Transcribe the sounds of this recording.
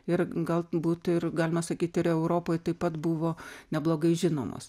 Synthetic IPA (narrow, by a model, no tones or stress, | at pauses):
ɪɾɡɐlˠbuːt̪ɪrɡɑːlʲɪmɐsɐkʲiːt̪ɪɾɛʊɾoːpoːjt̪ɐɪpɐt̪bʊʋoːnʲɛblˠoːɡɐɪʒʲɪno̰ːmo̰s